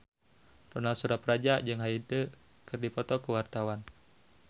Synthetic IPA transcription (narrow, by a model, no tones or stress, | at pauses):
t̪ɔnalsuɾaprad͡ʒad͡ʒɨŋɦait̪ə | kɨrdipɔt̪ɔkəwart̪awan